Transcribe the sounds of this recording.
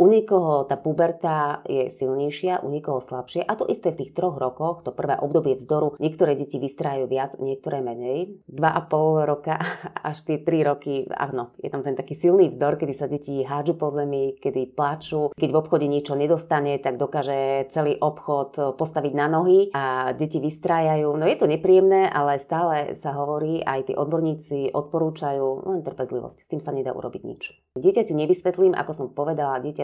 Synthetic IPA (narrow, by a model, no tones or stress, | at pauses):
ʔuɲɛkɔɦɔt̪aːpubɛɾt̪ajɛsilɲɛjʃɪaʔṵɲɛkɔɦɔslapʃɪɛʔat̪ɔʔist̪ɛːft̪iːxt̪ɾɔɣɾɔkɔxt̪ɔpr̩ʋɛ̰ːʔɔbd̪ɔbɪɛvzd̪ɔɾuɲɪɛkt̪ɔɾɛːɟɛciʋist̪ɾaːajuʋɪad͡zɲɪɛk̚t̪ɔɾɛːmɛɲɛjd̪ʋaʔapɔlɾɔkaa̰ʃt̪ɪɛt̪ɾiɾɔkia̰ɦnɔjɛ̰t̪amt̪ɛnt̪akiːsilˠniːvzd̪ɔɾkɛd̪isaɟɛciɦaːd͡ʒupɔzɛmikɛd̪iplat͡ʃuːkɛɟvɔpxɔɟɛɲɛt͡ʃɔɲɛd̪ɔst̪aɲɛt̪aɡd̪ɔkaːʒɛt͡sɛliːʔɔpxɔt̪pɔst̪aʋiɟnanɔɦiaɟɛciʋist̪ɾaːjajuːnɔjɛt̪ɔɲɛpɾijɛmnɛːʔalɛst̪aːlɛsaɦɔʋɔɾiːʔa̰jt̪ḭːʔɔd̪̚bɔɾɲiːt͡siʔɔt̪̚pɔɾuːt͡ʃajuːlɛnt̪r̩pɛzlḭʋɔ̰scst̪iːmsaɲɛd̪a̰ːʔṵɾɔ̰biɟɲḭt͡ʃ | ɟɪɛcacuɲɛʋisʋɛt̪liːmʔa̰kɔsɔmpɔʋɛd̪alaɟɪɛca